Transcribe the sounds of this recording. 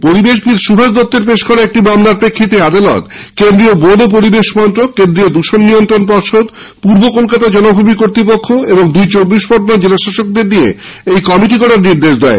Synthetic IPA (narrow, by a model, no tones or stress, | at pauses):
poɾibeʃ̬bʱilʃubʱaʃd̪ɔt̪ːeɾpeʃkɔɾeek̚ʈibamlaɾpɾekʰːit̪iad̪alɔ̰t̪kend̪ɾiobod̪op̬oɾibeʃmɔnt̪ɾokend̪ɾiod̪uʃonːijont̪ɾonpɔɾʃod̪ | puɾbokolkat̪ad͡ʑɔnobʱubikoɾt̪ɾipokʰːoeboŋd̪ujt͡ɕobːiʃpɔɾonad͡ʑelaʃaʃok̚d̪eɾniḛ | ejkɔmiʈikɔɽaɾniɾd̪eʃd̪ɛe